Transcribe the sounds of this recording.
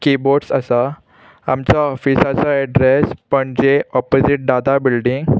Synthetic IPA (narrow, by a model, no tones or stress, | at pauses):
kiboɾɖsasa | amt͡saɔfisat͡saɛɖɾespəɳd͡ʑeɔpod͡ziʈ̚ɖat̪abilɖĩŋɡ